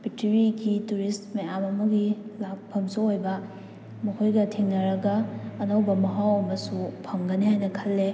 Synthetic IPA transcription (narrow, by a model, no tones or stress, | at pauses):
pʰituɾiɡituɾistmejamɐmɐɡilak̚pʰɐmsoojbɐ | mɐkʰojɡɐtʰiŋnɐɾɐɡɐːnɐwbɐmɐɦawɐmɐsupʰɐmɡɐnihajnɐkʰɐlːe